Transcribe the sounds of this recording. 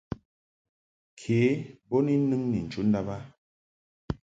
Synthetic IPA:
kʰeː˨˦bɔ˦ni˦nɨ˦ŋni˨n̩˨t͡ʃu˦n̩˦da˦ba˦

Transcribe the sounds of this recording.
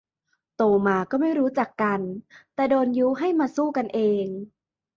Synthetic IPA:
t̪oː˧maː˧kɔː˥˩ma˥˩jɾuː˦˥t͡ɕa˨˩kːa˧nt̪ɛː˨˩doː˧njuː˦˥ɦa˥˩jmaː˧suː˥˩ka˧nʔeː˧ŋ

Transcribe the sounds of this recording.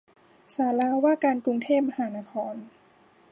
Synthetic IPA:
saː˩˦laː˧waː˥˩kaː˧nku˧ŋt̪ʰeː˥˩p̚ma˧haː˩˦na˦˥kʰɔː˧n

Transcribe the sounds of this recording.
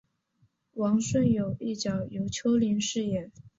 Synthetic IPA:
wɑ˧˥ŋʂwə˥˩njo˨˩ʊi˥˩t͡ɕjɑ˨˩ʊjo˧˥ʊt͡ɕʰjo˧˥ʊli˧˥nʂɻ̩˥˧jɛ˨˩˦

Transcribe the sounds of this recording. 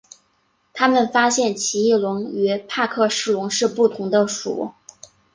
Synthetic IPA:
t̪ʰa˥mə˨nfa˥ɕjɛ˥˩nt͡ɕʰi˧˥i˥˩lʊ˧˥ŋy˧˥pʰa˥˧kʰɤ˥˧ʂɻ̩˥˩lʊ˧˥ŋʂɻ̩˥˧pu˥˩t̪ʰʊ˧˥ŋd̪ə˧ʂṵ˨˩˦

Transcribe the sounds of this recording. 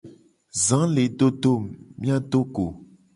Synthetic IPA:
zã˨˦le˨ɖo˦ɖo˦˨mmĩ˦a˦ɖ̪o˦ɡo˨

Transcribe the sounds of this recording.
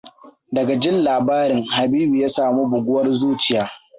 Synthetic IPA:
dɐ˨ɡa˨d͡ʒɪ˦nlaː˨baː˦ɾɪ˨ŋha˨biː˦bi˨jaː˦saː˨mu˦bʊ˨ɡʷʊ˦wɐ˦rzuː˦t͡ʃɪ˨jaː˦

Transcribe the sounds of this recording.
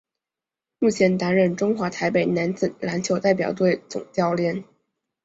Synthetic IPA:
mu˥˩t͡ɕʰjɛ˧˥nt̪a˧˥nɻə˨˩nʈ͡ʂʊ˥ŋxwa˧˥t̪ʰa˧˥ɪpe˨˩ɪna˧˥nt͡sɹ̩˨˩la˧˥nt͡ɕʰjo˧˥ʊt̪a˥˩ɪp̬jɑ˨˩ʊt̪we˥˩ɪt͡sʊ̰˨˩ŋt͡ɕjɑ˥˩ʊljɛ˧˥n

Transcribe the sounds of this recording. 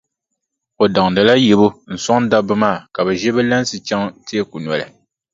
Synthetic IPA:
o˨da˨ŋdɨ˨la˦jɛ˨bʊ˦n̩˨sɔ˦ŋ˦da˦bɨ˦maː˦˨ka˨bɨ˨ʒɛ˦bɛ˦la˦n˦sɨ˨t͡ʃa˦ŋti˦ɛ˦ku˨n˨ɔ˨lɨ̰˨

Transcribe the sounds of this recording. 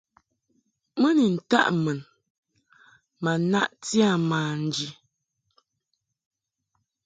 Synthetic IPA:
mə˦ni˨n̩˨ta̰˦ʔmə˨n | ma˨na̰˦ʔtja˦˨maː˨n̩˨d͡ʒi˨

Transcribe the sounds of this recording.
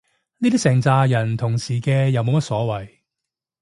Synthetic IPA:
niː˥t̪iː˥sɛː˨˩ŋt͡saː˧jɐ˨˩nt̪ʰʊ˨˩ŋsiː˨˩kɛː˧jɐ˨˧wmo˨˧wmɐ˥t̚sɔː˨˥wɐ˨˩j

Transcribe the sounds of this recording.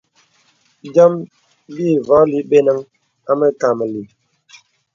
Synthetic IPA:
d͡ʒa˦m | biː˦˨vɔ˨˦li˨˦ɓe˦nə˦ŋ | a˦mə˦ka˨mə˨li˨

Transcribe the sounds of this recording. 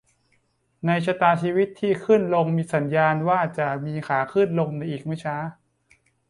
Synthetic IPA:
na˧jt͡ɕʰa˧t̪aː˧t͡ɕʰiː˧wi˦˥t̪ʰːiː˥˩kʰɯ˥˩nlo˧ŋmiː˧sa˩˦njaː˧nwaː˥˩t͡ɕa˨˩miː˧kʰaː˩˦kʰɯ˥˩nlo˧ŋna˧jʔiː˨˩k̚mɯ˥˩t͡ɕʰaː˦˥

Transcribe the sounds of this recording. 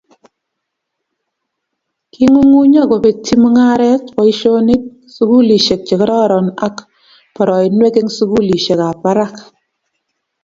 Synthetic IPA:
ki˦ŋu˦ŋu˦ɲa˦˨ko˨pe˨ti˦mu˦ŋa˦ɾɛ˦tkɔ˨˦i˦ʃo˦ni˦k̚ | su˦ku˦li˨ʃe˨k̚t͡ʃe˨kɪ˦ɾɔ˦ɾɔ˨na˦k | pɔ˨ɾɔ˨i˨nwe˦ke˦ŋsu˦ku˦li˨ʃe˨ka˨pa˦ɾa˦˨k

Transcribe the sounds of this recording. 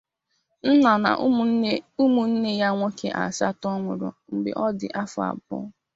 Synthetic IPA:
n̩˦na˨na̰˨˦u˦mu˨n̩˦ne˦ja˦ŋʷo˦ke˦ʔa̰˨sa˦tɔ˦ŋʷʊ˨ɾʊ̰˨ŋ͡m̩˨ɡ͡bḛ˨ʔɔ˦dɪ̰˨ʔa˦fʊ˨a̰˨bɔ̰˦

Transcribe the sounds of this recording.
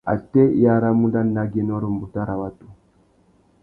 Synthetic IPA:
a̰˨te˦ja˦˨ɾa˦mu˦da˦nːa˦ɡe˦nɔ˦ɾo˨m˨bu˨ta˦ɾa˨wa˦tu˨

